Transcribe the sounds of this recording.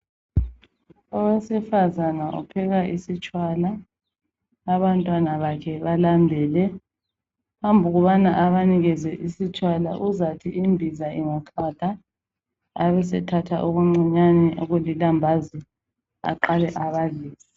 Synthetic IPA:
ɔwɛsɛfazanaʔṵpʰɛɣaʔisit͡ʃʼwaːla | βantʼwanaβakʰɛβalambʱɛːlɛ | pambʱuɣuβanaʔaβaniɣɛzɛʔisit͡ʃʼwalaʔuzatʰiʔimbʱizaiŋaǁaːd̥ʱa | aβɛs̬ɛtʰatʰa̰ʔoɣuŋ͡ǀɛɲanɛʔoɣulilambʱazi | a̰ǃalɛʔaβaɮiːsi

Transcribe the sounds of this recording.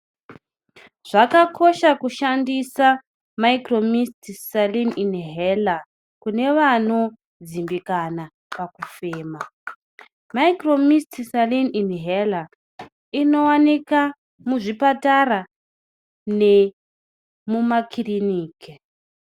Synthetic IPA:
ʐ̥akakʰo̞ʃakuʃandisa | maikromistisalininɦela | kune̞ʋano̞ | d͡zimbikana | pakufeːma | maikro̞mistisalininɦela | ino̞wanika | muʐipataɾa | ne | mumakʰiriniːke

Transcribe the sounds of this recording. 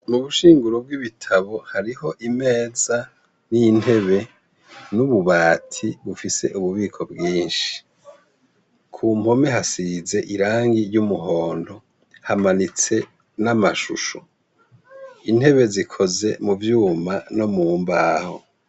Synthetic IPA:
nuβuʃiːŋɡuɾob̚ɡwiβitʰaβo̞haɾiho̞ʔime̞ːza | nijnhe̞βe̞ | nuβuβaːtʰiβufise̞̰ʔuβuβiːkʰo̞bɡiːnʃi̥ | kʰuːmho̞me̞ɦasize̞ʔiɾaːŋɡiɾjumuɦoːndo̞ | hamanit͡se̞ | namaʃuʃo | in̥he̞βe̞zikʰo̞ze̞muvjuːmano̞muːmbaːho̰

